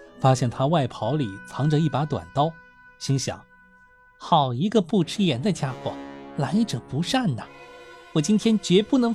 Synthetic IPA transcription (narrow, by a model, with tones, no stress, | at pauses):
fa˥ɕjɛ˥˩nt̪ʰa˥wa˥˩ɪpʰɑ˧˥ʊli˨˩˦t͡sʰɑ˧˥ŋʈ͡ʂə˧i˥˩pa˧˥t̪wa̰˨˩nt̪ɑ˥ʊ | ɕi˥ŋɕjɑ̰˨˩˦ŋ | xɑ˨˩ʊi˧˥ɡə˧pu˥˩ʈ͡ʂɻ̩˥jɛ˧˥nd̪ə˧t͡ɕja˥xwɔ̰˥˩la˧˥ɪʈ͡ʂɤ˨˩pu˧˥ʂa˥˩nnə˩wɔ˨˩t͡ɕi˥nt̪ʰjɛ˥nt͡ɕɥɛ˧˥pu˥˩nɤ˧˥ŋ